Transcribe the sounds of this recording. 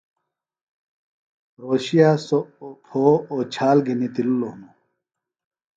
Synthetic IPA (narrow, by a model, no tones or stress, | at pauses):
ɾoːɕijaːsopʰoːoːt͡ɕʰaːlɡʱinit̪illonu